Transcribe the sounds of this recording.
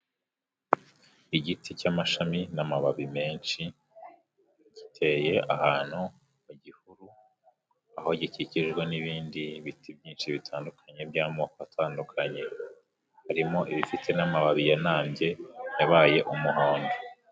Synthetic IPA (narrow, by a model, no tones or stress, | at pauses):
iɟiticamaʃaminamaβaβime̞ːnʃi | ɟitʰe̞je̞ʔahaːn̥hu | muɟihuɾu | aho̞ɟiciciʒɡweniβiːndiβitʰibjiːnʃiβitʰaːndukʰaɲe̞bɟaːmoːkoatʰaːndukʰaɲe̞ | haɾimo̞ʔiβifitʰe̞namaβaβijanaːmɟe̞jaβaːje̞ʔumuɦoːnde